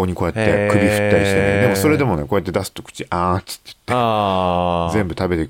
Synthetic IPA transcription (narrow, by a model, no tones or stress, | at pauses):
oːɲ̟iko̞ːjat̪ːe̞kɯ̟ɾʲiɸɯ̟̥t̪ːaɾʲiɕi̥t̪enod̪e̞mo̞so̞ɾe̞d̪emo̞neko̞jat̪ːe̞d̪asɨ̥t̪ːokɯ̟̥t͡ɕiʔãt͡sɨ̥t̪ːejɯt̪ːe | zẽ̞mbɯ̟t̪abe̞t̪e